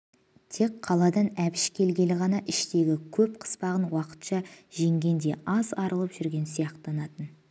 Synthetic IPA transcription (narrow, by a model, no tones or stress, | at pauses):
t̪ʰe̞kqʰːɑlˠɑd̪ɑnæpɪʃkʲʰe̞lɡʲe̞lɪʁɑnɑʔɪʃt̪e̞ɡʲɪkʲʰɵpqʰə̥spɑʁənwɑqə̥t̪ʃɑʒe̞ŋɡʲe̞nd̪e̞̰ɑzɑɾəlˠəpʒ̥ʏɾɡʲe̞nsijɑqt̪ɑnɑt̪ən